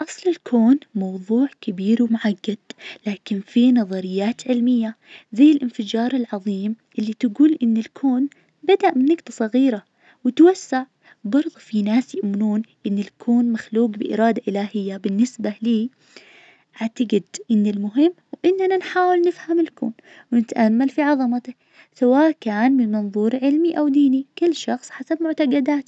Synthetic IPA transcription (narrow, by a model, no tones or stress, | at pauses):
ʔɑsˤlɪlkʰoːnmɑwðˤuːʕkabiːɾwmʊʕaɡːad̪̥̚laːkɪnfinɑðˤɑɾɪjːaːt̪ʕɪlmɪjːa | zaːɪlʔɪnfɪd͡ʒɑːɾˤɪlʕɑðˤiːmʔɪlːit̪aɡuːlʔɪnːɪlkʰoːn | bad̪aʔmɪnːʊɡt̪ɑsˤɑɣiːɾa | wɪt̪wasːaʕ | bɑɾˤðˤfinaːsjɪʔmɪnuːnʔɪnːɪlkʰuːnmaxluːqbɪʔɪ̰ɾˤɑːd̪aʔɪlaːhɪjːabɪnːɪsbaliː | ʔaʕt̪aɡɪd̪ʔɪnːɪlmʊɦɪmːwʔɪnːananħaːwɪlnɪfhamɪlkṵːn | wɪnɪt̪ʔamːalfiʕɑðˤɑmat̪a | sawaːʔkaːnmɪnmɑnðˤuːɾˤʕɪlmiʔawd̪iːnikʊlːʃɑxsˤħasabmʊʕt̪aɡɑd̪aːt̪